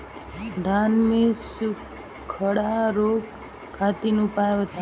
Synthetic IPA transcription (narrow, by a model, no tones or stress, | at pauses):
d̪ʱanmisuk | kʰːəɽaɾok | kʰːat̪inũpajʋət̪a